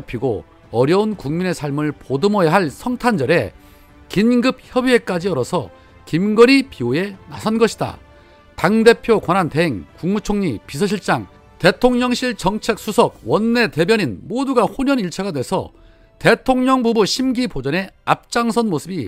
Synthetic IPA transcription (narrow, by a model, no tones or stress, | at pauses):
pʰiɡo̰ | ʌɾjʌunkuŋmine̞sʰaɭmɯɭpodɯmʌjaɦaɭsʰʌŋtʰand͡ʑʌɾe̞ | kinɡɯp̚çjʌbie̞k͈ad͡ʑiʌɾʌsʰʌ | kimɡʌɾipioe̞na̰sʰʌnɡʌɕʰida̰ | taŋde̞pʰjokwananteɦeŋkuŋmut͡ɕʰoŋɲipisʰʌɕ̬ʰiɭt͡ɕ͈aŋ | te̞tʰoŋɲʌŋɕʰiɭt͡ɕʌŋt͡ɕʰe̞k̚s͈ʰusʰʌɡ̚wʌnːe̞te̞bjʌɲinmoduɡahoɲʌniɭt͡ɕʰaɡadwe̞sʰʌ̰ | te̞tʰoŋɲʌŋbubuɕʰimɡipod͡ʑʌne̞ap̚t͡ɕ͈aŋsʰʌnmosʰɯbi